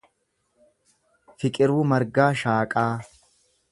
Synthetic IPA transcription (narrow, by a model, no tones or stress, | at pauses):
fɪkʼɪɾuːmɐɾɡaːʃaːkʼaː